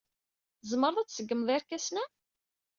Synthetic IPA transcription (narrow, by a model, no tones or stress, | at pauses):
zˤmːəɾˤðˤæt͡sːsəɡːəmðˤiɾkæsnæ